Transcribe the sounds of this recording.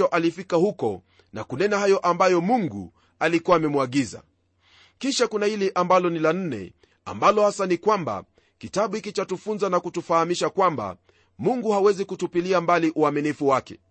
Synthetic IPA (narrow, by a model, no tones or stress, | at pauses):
ɔʔalifikahukɔ̰ | na̰kunɛnahajɔʔambajɔmuŋɡṵ | alikuwaːmɛmuaɠiza̰ | kiʃakunahilɛʔambalɔnilan̩nɛ̰ | a̰mbalɔhasanikwamba̰ | kitaɓuhikit͡ʃatufunzanakutufahamiʃakwamba̰ | muŋɡuhawɛzikutupiliambaliʔuaminifuwakɛ̥̰